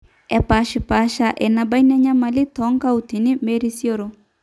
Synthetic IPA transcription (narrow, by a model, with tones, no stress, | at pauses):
ɛ˨pa˨ʃi˨pa˨ʃa˨ʔɛ˨na˨ba˦i˦nɛ˦ɲa˦ma˨li˦tɔ˨˦ŋka˦u˨ti˨ni˦me˦ɾi˦sjo˦ɾo˦